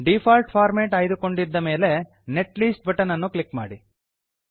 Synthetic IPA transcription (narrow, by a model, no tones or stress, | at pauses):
ɖipʰaːlʈpʰaːɾmeːʈaːjd̪uko̞ɳɖid̪ːɐme̞ːle̞ | neʈliːsʈ̚bɐʈɐnɐnːuklikma̰ːɽi